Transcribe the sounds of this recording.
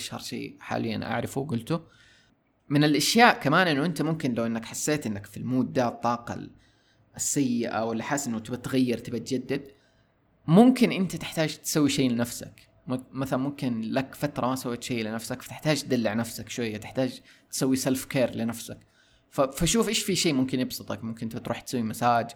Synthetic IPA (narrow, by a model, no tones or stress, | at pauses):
ʃhɑɾˤʃḛːħa̰ːlɪjːa̰nʔa̰ʕɾɪfuwɡʊlt̪u | mɪnɪlʔaʃjaːʔkamaːnʔɪnːʊʔɪnt̪amʊmkɪnlawʔɪnːakħasːeːt̪ʔɪnːakfilmuːd̪̚ːat̪ˤːɑːqɑ̰ | sːajːɪʔa̰wɪlːiħaːsʔɪnːʊt̪ɪbat̪ɣajːɪɾˤt̪ɪbat̪d͡ʒad̪ːɪd̪ | mʊmkɪnʔɪnt̪at̪ɪħt̪aːd͡ʒt̪sawːiʃejːlɪnafsa̰k | mmaθalamʊmkɪnlakfat̪ɾˤɑmasawːeːt̪ʃejːlɪnafsakfḁt̪ɪħt̪aːd͡ʒt̪̚d̪alːɪʕnafsakʃwajːat̪ɪ̥ħt̪aːd͡ʒ | t̪sawːisalfkeːɾlɪnafsak | fafaʃuːfʔeːʃfiʃeːʔmʊmkɪnʔɪbsˤɨt̪ˤɑkmʊmkɪnʔnt̪bt̪ɾʔuːħt̪sawːimasaːd͡ʒ